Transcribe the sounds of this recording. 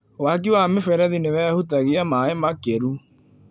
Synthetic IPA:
wak̬iwamefɛɾɛðinewɛːhutaɣiamaemakeɾu

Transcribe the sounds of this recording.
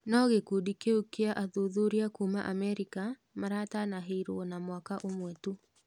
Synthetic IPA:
nɔɣekudikeukeaʔaðoðoɾiakumaʔamɛɾika | maɾatanaɦeiɾonamwakaʔomwɛtu

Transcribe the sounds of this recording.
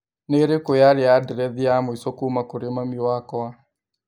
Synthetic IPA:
neɾekojaɾeadɛɾɛðiamoisɔkumakoɾemamiwakɔa

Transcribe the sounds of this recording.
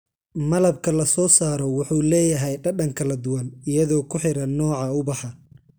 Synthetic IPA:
mɐlɐbkʰɐlɐsɔːsaːɾɔwʊħuːlɛːjɐɦɛjɖɐɖɐŋkʰɐlɐd̪ʊwɐnɪjɐðɔːkʰʊħɪɾɐnɔːʕɑʊbɑħɑ

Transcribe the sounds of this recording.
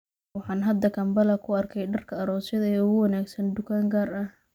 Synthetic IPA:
wɑħɑːnɦɐd̪ːɐkʰɐmbɐlɐkʰʊɐrkʰɛjɖɐrkʰɐːɾɔːsjɐðɐɛʊɣʊwɑnaːɡsɐnd̪ʊkʰaːŋɡaːrɐh

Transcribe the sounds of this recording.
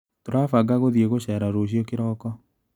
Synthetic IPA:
toɾafaɡaɣoðjeɣoɕɛɾaɾoɕjɔkeɾɔkɔ

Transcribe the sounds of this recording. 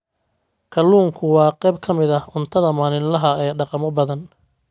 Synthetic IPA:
kʰɐlːuːŋkʰʊwɑːqɛːb̚kʰɐmɪðɐʊnt̪ʰɐðɐmaːnɪnlɐɦɐɛːɖɑqɑmɔbɐðɐn

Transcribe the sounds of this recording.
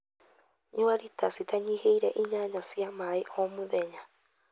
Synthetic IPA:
ɲuaɾitasit̪aɲihɛiɾɛʔiɲaɲasiamaiʔomuðɛɲa

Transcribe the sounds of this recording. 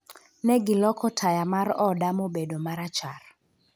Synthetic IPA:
nɛɡɪlɔkɔtʰajamarɔdamobedomaɾat͡ʃar

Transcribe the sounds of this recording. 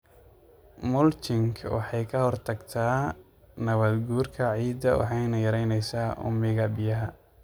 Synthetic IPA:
mʊlt͡ʃɪŋkʰwɑ̰ħɑjkʰɐhɔrt̪ʰɐɡt̪ʰaː | nɐβɐd̪ɡuːrkʰɐʕiːd̪ɐwɑ̰ħɑjnɐjɐɾɛjnɛjsaːʔʊ̰mɪɣɐbɪjɐɦɐ

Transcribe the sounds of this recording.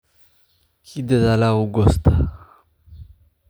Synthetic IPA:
kid̪əzalauɡost̪a

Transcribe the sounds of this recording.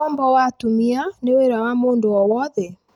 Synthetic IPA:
ɔmbɔwatumianeweɾawamoːndoɔwɔðɛ

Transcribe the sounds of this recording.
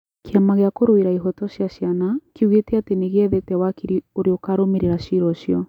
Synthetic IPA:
kʰeamaɣeakoɾoeɾaiɦɔtɔɕjaʃjanakiuɣetɛateneɣɛðetɛwakiɾioɾeokaɾomeɾeɾaʃiɾɔʃjɔ

